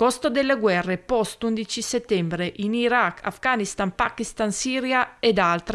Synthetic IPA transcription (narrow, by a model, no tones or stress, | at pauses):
kost̪od̪elːeɡwɛrːepɔst̪und̪it͡ʃiset̪ːɛmbɾeʔiniɾakːa̰fɡanist̪anpakist̪ansiːɾjaed̪alt̪ɾe